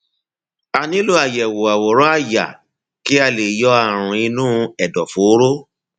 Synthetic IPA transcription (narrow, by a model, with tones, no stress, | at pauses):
a˧nĩ˦lu˦a˨jɛ˨wo˨a˨wɔ˨ɾɔ˦a˦˨ja̰˨ | ki˦a˧le˨jɔ˦a˦˨ɾ̃ũ˧i˧nũː˦ɛ˨dɔ˨fo˨˦ɾo˦